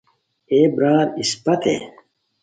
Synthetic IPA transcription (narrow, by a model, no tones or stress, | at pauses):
eːbɾaːɾispɐt̪ḛː